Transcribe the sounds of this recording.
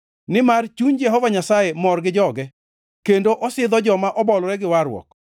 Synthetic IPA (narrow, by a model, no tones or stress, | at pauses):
nɪmart͡ʃuɲd͡ʒɛɦɔvaɲasajemɔrɡɪd͡ʒɔɡɛ | kendoʔɔsɪd̪ɔd͡ʒɔmaʔɔbɔlɾɛɡɪwaɾwɔ̰k